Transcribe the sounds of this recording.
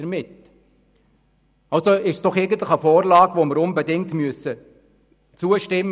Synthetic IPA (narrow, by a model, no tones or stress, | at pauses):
əɾmɪt | ɑlsoɪʃsd̥ɔχɛɡəntləχəfoːɾlɑːɡvoməɾʊnbɛdɪŋtmyəsə | t͡suəʃtɪm